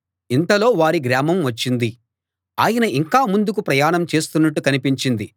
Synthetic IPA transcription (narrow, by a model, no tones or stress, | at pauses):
int̪ɐlo̞ːʋaːɾiɡɾaːmɐmʋɐt͡ʃːind̪i | aːjɐnɐʔiŋkaːmund̪ukupɾɐjaːɳɐmt͡ʃe̞ːst̪unːɐʈːukɐnipiɲt͡ʃind̪i